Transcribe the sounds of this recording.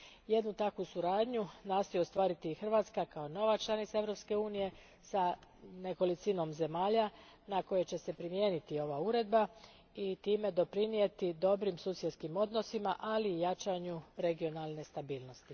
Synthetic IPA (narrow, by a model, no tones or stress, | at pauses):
je̞d̪nut̪akʋusuɾaːd̪ɲunaːst̪ojost̪ʋaːɾit̪iːxr̩ʋat̪skakaono̞ʋat͡ʃlˠanit̪sae̞ʋɾo̞pske̞uːnije̞ | sane̞ko̞lit̪sino̞mze̞maːʎa | nako̞je̞t͡ɕe̞se̞pɾimje̞ːnit̪io̞ʋauɾe̞d̪̚ba | it̪iːme̞d̪o̞pɾinije̞t̪id̪o̞bɾimsuːsje̞d̪skimo̞d̪no̞simaʔaliːjat͡ʃaɲuɾe̞ɡio̞nalˠne̞st̪abiːlˠno̞st̪i